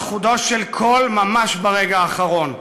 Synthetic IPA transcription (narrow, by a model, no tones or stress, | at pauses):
χud̪o̞ʃelkʰo̞lmamaʃbaʁeɡaːχaʁo̞n